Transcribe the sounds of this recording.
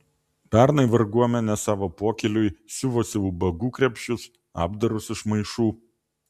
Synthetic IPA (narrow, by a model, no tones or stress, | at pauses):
pʲæˑɾnɐɪʋɐɾɡuɔmʲɛnʲɛsɑːʋoːpoːkʲɛlʲʊɪsʲʊʋoːsʲɪʊːbɐɡuːkɾʲɛpʲʃʲʊs | ɑ̰ːbd̪ɐɾʊsɪʃmɐɪʃuː